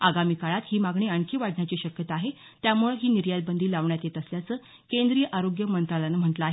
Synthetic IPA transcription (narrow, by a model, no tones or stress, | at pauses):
aɡamiːkaɭat̪hiːmaɡɳiːaɳkʰiːʋaɽɳjat͡ɕiɕəkjət̪aaɦe | t̪jamuɭɦiːniɾjalbənd̪ʱiːlaʋɳjat̪jet̪əsljat͡səː | kend̪ɾiːjəʔaɾoɡjəmənt̪ɾalanəm̤əɳʈlaːɦe